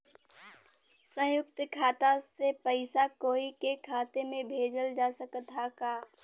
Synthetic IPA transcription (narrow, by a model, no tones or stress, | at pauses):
sə̃jʊkt̪kʰaːt̪asepəɪsakoːikekʰaːt̪emẽbʱeːd͡ʒəld͡ʒaːsəkt̪akaː